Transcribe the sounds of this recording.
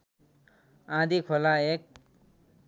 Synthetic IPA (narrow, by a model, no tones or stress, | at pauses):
ãd̪ikʰolaek̚